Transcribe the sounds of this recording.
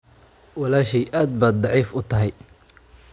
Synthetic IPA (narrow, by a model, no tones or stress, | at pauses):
wɑlaːʃɛjʔaːd̪̚baːd̪̚d̪ɑʕiːfʊt̪ʰɐɦɛj